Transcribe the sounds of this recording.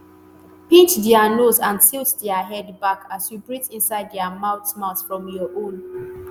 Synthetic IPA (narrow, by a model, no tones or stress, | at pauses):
pitdɛanozãnsiltdɛaɦɛdbakʰasjubɹitĩnsaɪddɛamaʊtmatfɹɔ̃mjɔʔõn